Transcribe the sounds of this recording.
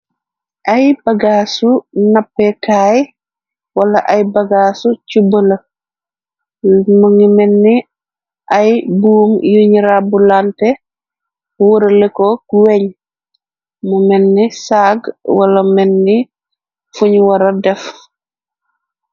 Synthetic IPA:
ʔajbaɡaːsunapːɛkaːj | wɐlɐʔajbɐɡaːsucubələ | muŋimɛnːi | ʔajbuːmjuɲiɾabulantɛ | wuɾɐlɛkɔkuwɛɲ | mumɛnːisaːɡwalɐmɛnːi | fuɲwɐɾɐdɛf

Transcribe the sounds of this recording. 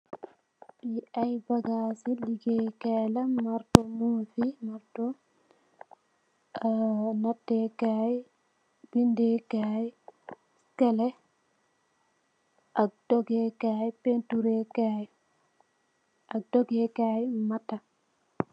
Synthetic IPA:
biajbaɡasiliɡɛkalamaɾtɔmufimaɾtɔ | natːɛkaːi | bindɛkaːji | skɛlɛ | ʔak̚d̥ɔɡɛkaːipentuɾɛkaːji | ʔak̚dɔɡɛkaːjmatːa

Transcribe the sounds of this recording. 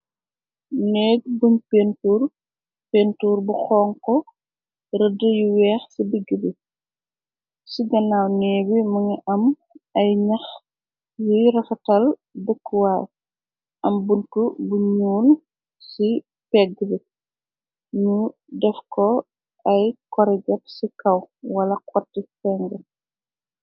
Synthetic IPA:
nɛːɡ̚bunpentuːr | pentuːrbuxɔːŋkɔ | rədəjuwɛːxsibiɡːəbi | siɡɐnawnɛːbimɐŋiʔɐm | ɐjɲɐx | jiɾɐfɐtɐl | bəkːuwaːl | ʔɐmbunkɔbuɲuːl | si | pɛɡəbi | ɲu | dɛfkɔ | ɐjkɔɾɛɟɐp̚sikɐwwɐlɐkɔtːifɛŋɡɛ

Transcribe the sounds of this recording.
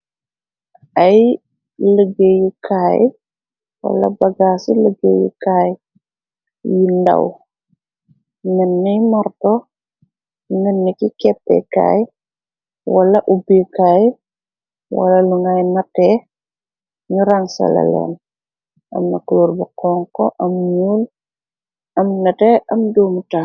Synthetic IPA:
ɐj | ləɡeːjukʰaːj | wɐ̰lːɐ̰bɐɡaːsiləɡejṵkaːj | jinda̰w | nənːijmaɾtɔ | nənːikikɛtːɛ̰ka̰ːj | wɐlɐʔubikaːj | wa̰lɐluŋɡajnatɛː | ɲuɾaŋsɐ̰lɐ̰lɛ̰ːn | ɐ̰mnakuluːɾbuqɔːŋkɔʔɐmɲuːl | ɐmnɐteɐmdoːmutaː

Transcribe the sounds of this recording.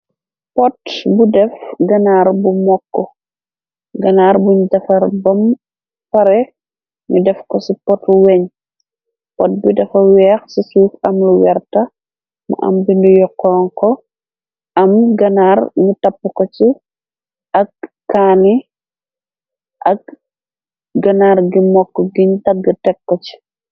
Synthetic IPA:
pɔtbudɛfɡɐnaɾbumɔkːɔ | ɡɐnaːɾbuɲudɐfɐɾbɐm | pɐɾɛ | ɲudɛfkɔsipɔtuwɛɲ | pɔt̚bidɐfɐwɛːxsisuːfɐmluwɛɾtɐ | mɐ̰ʔɐ̰mbindujɔkːɔːŋkɔ | ɐmɡɐnarɲutɐpːkɔt͡ʃi | ʔɐkː | aːni | ʔɐk̚ | ɡɐnaɾɡimɔkːɔɡiɲtɐɡətɛkːɔt͡ʃi̥

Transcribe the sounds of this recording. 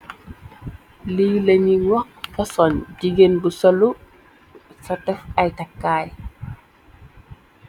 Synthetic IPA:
liːləɲiwɐk̚fɔsɔnɟiɡenbusɔlu | sɔtɛfɐjtakːaːj

